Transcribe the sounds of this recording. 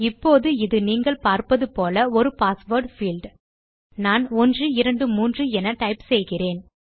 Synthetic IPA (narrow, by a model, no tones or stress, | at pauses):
ɪpːoːðɯɪðɯniːŋɡɐɭpaːɾpɐðɯpoːlɐɔɾɯpaːsʋoːɾɖfiːlɖ | naːnɔndrɯɪɾɐɳɖɯmuːndrɯɛnɐʈɐɪpsɛjɣɪreːn